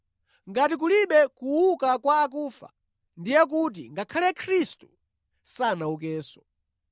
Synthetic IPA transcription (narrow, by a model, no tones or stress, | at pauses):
ŋɡatik̬uliɓɛkuwukakwaːkuːfa̰ | ndijɛk̬ut̬ḭŋɡakʰalɛkʰɾistu̥ | sanauk̬ɛːsɔ̥